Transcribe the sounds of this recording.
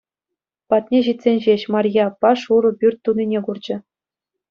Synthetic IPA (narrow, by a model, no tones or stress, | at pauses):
pɑt̪nʲeʑit̪ʲsʲenʲʑeɕmɑrʲjɑpːɑʂuɾɤ̆pʲyrʲt̪̚ʲt̪ːunʲinʲeɡurd͡ʑɘ̆